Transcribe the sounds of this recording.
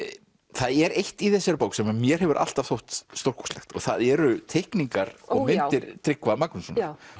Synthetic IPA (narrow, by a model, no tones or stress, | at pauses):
θaðɛɾejht̪iθɛsːɛɾpowksɛmamjɛɾ̥ɦɛvʏɾʔa̰l̥t̪av̥θowht̪st̪owr̥ku̥stlɛxt̪ɔ̰ɣθaðɛɾʏt̪ʰehkniŋkaɾɔmɪnt̪ɪɾt̪ɾɪkvamaknʏsɔn